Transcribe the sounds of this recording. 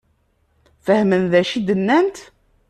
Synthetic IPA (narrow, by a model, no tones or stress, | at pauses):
fəhmənðæʃid̪ənːænt̪